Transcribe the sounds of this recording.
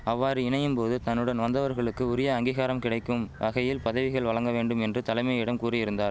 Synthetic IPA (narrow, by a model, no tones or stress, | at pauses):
ɐʋːaːɾɯɪɳɐjɯmpoːðɯt̪ɐnːɯɽɐnʋɐnd̪ɐʋɐɾɣɐɭɯkːɯʊɾɪjɐːŋɡiːɣaːɾɐmkɪɽɐɪkːɯmʋɐɣɐjɪlpɐðɐʋɪɣɐɭʋɐɭɐŋɡɐʋeːɳɖɯmɛndrɯt̪ɐlɐɪmɐjɪɽɐmkuːrɐjɪɾɯnd̪aːɾ